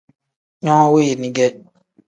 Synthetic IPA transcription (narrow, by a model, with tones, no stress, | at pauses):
ɲɔ̃˦we˦˨nĩ˦ɡɛ˦